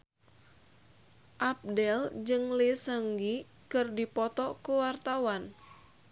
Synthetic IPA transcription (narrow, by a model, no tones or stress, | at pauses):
ʔap̚dɛld͡ʒɨŋlesəŋɡi | kɨrdipɔt̪ɔkuwart̪awan